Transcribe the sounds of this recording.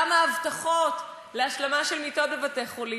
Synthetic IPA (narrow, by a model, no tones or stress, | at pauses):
amaːvtaχot | leaʃlamaʃelmitobevateχoli